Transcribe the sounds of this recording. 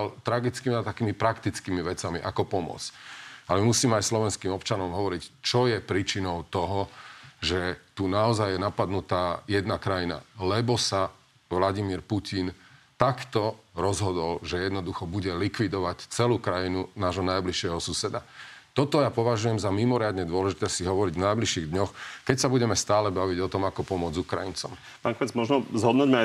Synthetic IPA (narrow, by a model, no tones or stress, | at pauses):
alt̪ɾaɡit͡skimat̪akiːmipɾakt̪it͡skiːmiʋɛt͡samḭʔa̰kɔpɔmɔ̰t͡salɛmimusiːmɛajslɔʋɛnskiːmɔpt͡ʃanɔmɦɔʋɔɾict͡ʃɔjɛpɾiːt͡ʃinɔʊt̪ɔɦɔʒɛt̪unaɔzajjɛnapad̪nut̪aːjɛd̪nakɾajina̰lɛbɔsa | ʋlaɟimiːɾpucin | t̪akt̪ɔɾɔzɦɔd̪ɔlʒɛjɛd̪nɔd̪uxɔbuɟɛlikʋid̪ɔʋact͡sɛluːkɾajinunaːʒɦɔnajbliʃɪɛɦɔsusɛd̪a | t̪ɔt̪ɔjapɔʋaʒujɛmzamimɔɾɪad̪ɲɛd̪ʊɔlɛʒit̪ɛsiɦɔʋɔɾiɟvnajbliʃiɣd̪ɲɔxkɛcsabuɟɛmɛst̪aːlɛbaʋiɟɔt̪ɔmakɔpɔmʊɔd͡zukɾa̰jḭnt͡sɔ̰m | paːŋkɔmɛt͡smɔʒnɔzɦɔd̪nuɟmi